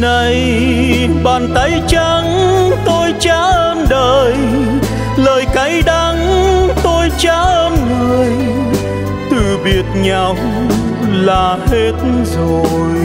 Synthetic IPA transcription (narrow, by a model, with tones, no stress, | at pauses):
na˨˧˩j | ɓaː˨˩nt̪a˨˧˦jt͡ɕa˧ŋt̪o˧jt͡ɕaː˧˦ʔəː˧mɗəː˨˩j | ləː˨˩jka˨˦jɗa˧ŋt̪o˧jt͡ɕaː˧˦ʔəː˧mŋɨ˧˨˩əj | t̪ɨ˨˩ɓi˨˩ət̚ɲa˨˩w | laː˨˩he˦˥t̚zo˨˩j